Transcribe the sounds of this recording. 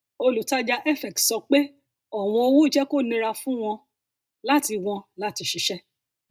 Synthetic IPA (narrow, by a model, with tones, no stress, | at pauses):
o˧lu˨ta˦d͡ʒa˧ʔɛ˦fɛ˨k̚tsɔ˧k͡pe˦ | ɔ˦˨w̃ɔ̃˧o˧wũ˦i˦d͡ʒɛ˦ko˦˨nĩ˧ɾa˧fũ˦w̃ɔ̃˧ | la˦ti˧w̃ɔ̃˧la˦ti˧ʃi˧˦ʃɛ˦